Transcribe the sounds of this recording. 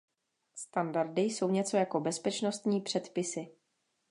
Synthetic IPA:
st̪andaɾdɪjso̞wɲɛt͡so̞jako̞bɛspɛt͡ʃno̞st̪ɲiːpr̥ɛt̪pɪsɪ

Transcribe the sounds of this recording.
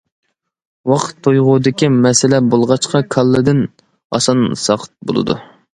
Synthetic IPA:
wɑqt̪ʰːojʁʊd̪ɪkʲimɛsɪlɛbolˠʁɑt͡ʃqʰɑkʰɑlˠːɨd̪ɪn | ɑ̰sɑnsɑqʰə̥t̪̚bo̰lˠɨ̰d̪ṵ

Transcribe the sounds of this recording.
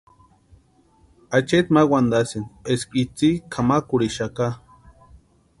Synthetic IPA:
at͡ʃet̪mawʷand̪asineskit͡sikʰamakuɽiʃaka

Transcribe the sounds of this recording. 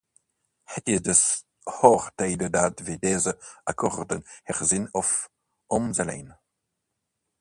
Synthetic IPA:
hɛtidəs | hɔʁteɪdədaːtvedɛːzəa̰kʰɔʁdənhɛʁzɪnɔf | ʔɔmzalḛːn

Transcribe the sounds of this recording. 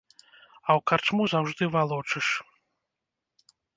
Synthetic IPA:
ɐwkart͡ʂmuzawʐd̪ɨvalˠɔt͡ʂɨʂ

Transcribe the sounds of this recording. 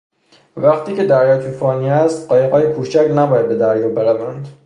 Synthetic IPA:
væχt̪ʰiːce̞d̪æɾjɒːt̪ʰufɒːniæst̪ɢɒːjeɣɒːjepʰuːt͡ʃæknæbɒːjæd̪be̞d̪æɾjɒːbeɾævænd̪̥

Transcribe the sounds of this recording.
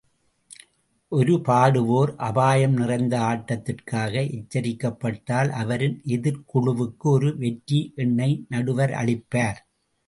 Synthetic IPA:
ʔɔɾɯpaːɽɯʋoːɾʔɐbaːjɐmnɪrɐɪnd̪ɐaːʈːɐt̪ːɪrkaːɣɐʔɛt͡ʃːɐɾɪkːɐpːɐʈːaːlʔɐʋɐɾɯnʔɛðɪɾkʊɻʊʋɯkːɯɔɾɯʋɛʈːiʔɛɳːɐɪnɐɽɯʋɐɾɐ̰ɭɪpːaːɾ

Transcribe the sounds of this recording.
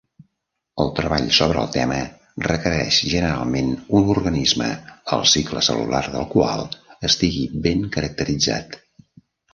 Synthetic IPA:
əlˠt̪ɾəβaʎsoβ̞ɾəːlˠt̪ɛmə | rəkəɾɛʃʒənəɾalˠmenunurɣənizmə̰əlˠsikləsə̰lṵlarðəlˠkwalˠəst̪iɣibeŋkəɾək̚t̪əɾid͡za̰t̪

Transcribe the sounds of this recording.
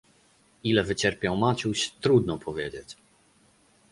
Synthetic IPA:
ilɛvɘt͡ɕɛɾpʲjɔwmat͡ɕuɕt̪ɾud̪nɔpʰɔvʲjɛd͡ʑet͡ɕ

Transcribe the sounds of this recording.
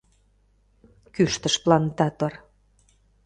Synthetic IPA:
kyʃt̪ə̆ʃplɑnt̪ɑt̪ŏr

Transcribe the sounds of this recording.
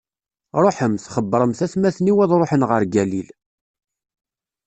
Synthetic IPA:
ɾˤoħəmθχəbːəɾˤəmθæθmæθniwæðɾˤoħənʁəɾɡælil

